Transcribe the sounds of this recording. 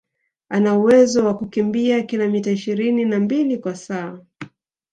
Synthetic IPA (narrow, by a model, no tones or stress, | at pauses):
anauwɛzɔwakukimbiakilamitaiʃiɾininambilikwasaː